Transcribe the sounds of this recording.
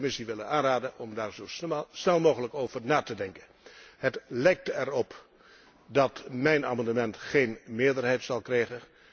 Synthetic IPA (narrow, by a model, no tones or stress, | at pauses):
mɪsiʋɪlənaːnraːdənɔmdaːɹzowsnɛlˠmowɣələkowvəɹnaːtədɛŋkən | hətlɛjk̚tɛrɔp | dɑtmɛjna̰ːmɑndəmɛntχejnmɪːɹdərɦɛjtsɑlˠkrɛjχən